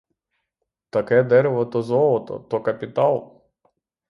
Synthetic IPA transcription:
t̪ɐkɛd̪ɛɾeʋɔt̪ɔzɔlˠɔt̪ɔ̰t̪ɔkɐpʲit̪ɑlˠ

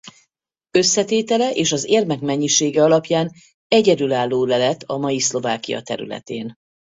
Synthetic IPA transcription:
ø̞sːɛt̪eːt̪ɛlɛʔeːʃɒzeːrmɛkmɛɲːiʃeːɡɛɒlɒpjaːn | ɛɟɛd̪ylaːlːoːlɛlɛt̪ːɒmɒjislo̞vaːkijɒ̰t̪ɛ̰ɾy̰lɛ̰t̪ḛːn

